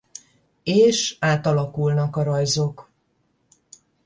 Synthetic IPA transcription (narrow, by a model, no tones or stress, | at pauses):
eːʃaːt̪ɒlɒkulnɒkɒɾɒjzo̞k